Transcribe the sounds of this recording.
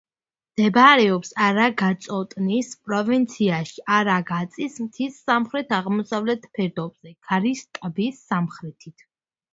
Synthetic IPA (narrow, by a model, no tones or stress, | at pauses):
md̪̥ɛbaɾɛɔpsaɾaɡat̪sʼɔt̪ʼnispʼɾɔvint̪sʰiaʃiʔaɾaɡat̪sʼismt̪ʰisːamχɾɛt̪ʰaʁmɔsavlɛt̪ʰpʰɛɾd̪ɔbz̥ɛɡ̥ʰaɾist̪ʼbisːamχɾɛt̪ʰit̪ʰ